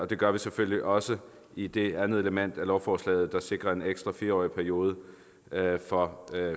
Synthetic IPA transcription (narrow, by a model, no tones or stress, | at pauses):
ɒ̽d̥e̝ɡ̥ɶɐʋiseføl̰liʔɒ̽sə | id̥e̝ænð̞̩ˠe̝ləmen̰d̥ælɒʊfɒːslɛ̰ːð̞̩ˠd̥ɑ̈se̝ɡ̥ʁɐe̝neɡ̥sd̥ʁɐfiːɐɒ̰ːipʰæɐio̝ːð̞ˠə | fɒ̽